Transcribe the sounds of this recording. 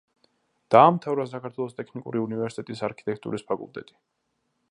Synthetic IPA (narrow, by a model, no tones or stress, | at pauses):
d̪̥aːmt̪ʰavɾas̬akaɾt̪ʰwɛlˠɔst̪ʼɛkʰnikʼṵɾiunivɛɾsit̪ɛt̪ʼisaɾkʰit̪ʼɛkʰt̪ʼṵɾispʰakʼulˠt̪ʼɛ̰t̪ʼi̥